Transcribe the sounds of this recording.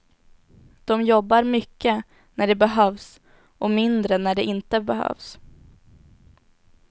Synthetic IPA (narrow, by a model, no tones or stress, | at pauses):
d̪̥ɔmjɔbːaɾmʏkːə | næɖɛbɛɦœːvs | ʔɔmɪnd̪ɾənæɖɛʔɪnt̪əbɛɦœ̰ːvs